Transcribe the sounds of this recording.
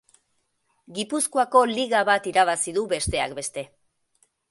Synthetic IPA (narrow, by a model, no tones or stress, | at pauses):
ɡipuskoako̞liɣaβat̪iɾaβ̞asiðuβe̞st̪e̞akbe̞st̪e̞